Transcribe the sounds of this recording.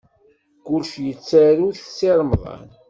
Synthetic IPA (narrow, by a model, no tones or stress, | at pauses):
kʊlʃjət͡sːæɾuðθsiɾˤmðˤɑ̰n